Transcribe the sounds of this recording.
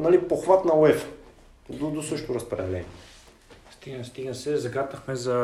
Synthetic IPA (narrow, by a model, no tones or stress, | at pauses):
nɐlipoxvat̪nɐoɛf | d̪od̪osɤʃt̪oɾɐspɾɐ̰d̪ɛlɛ̰nḭɛ | st̪iɡnɐst̪iɡnəsɛzɐɡat̪əxmɛzɐ